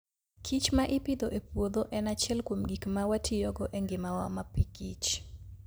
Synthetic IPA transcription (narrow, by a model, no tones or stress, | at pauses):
kʰit͡ʃmaʔɪpɪd̪oʔepwod̪oʔɛnat͡ʃɛlkwomɡikmawatʰɪjɔɡɔʔeŋɡɪmawa̰mapikit͡ʃ